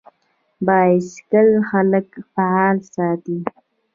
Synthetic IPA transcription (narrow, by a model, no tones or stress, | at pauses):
bɑːɪskəlxaləkfaɑːlsɑːt̪i